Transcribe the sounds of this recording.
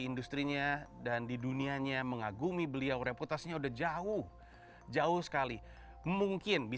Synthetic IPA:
indust̪ɾiɲadandiduniaɲaməŋaɡumibəliawreput̪asiɲaudahd͡ʒaʊh | d͡ʒaʊhsə̥kali | muŋkɪnbi

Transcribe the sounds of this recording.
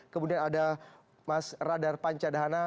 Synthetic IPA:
kəmudianada | masradarpaɲt͡ʃadaɦana

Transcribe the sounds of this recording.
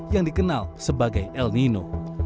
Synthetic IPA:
jaŋdikənalsəbaɡajʔɛlnino

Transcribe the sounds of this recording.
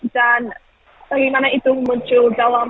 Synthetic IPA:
dan | paɡimanait̪umu̥t͡ʃudawam

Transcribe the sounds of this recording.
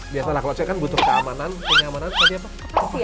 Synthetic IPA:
biasalahklaʔskanbut̪ʊhkəa̰mananpuɲaamanankəpat̪iapa | ai

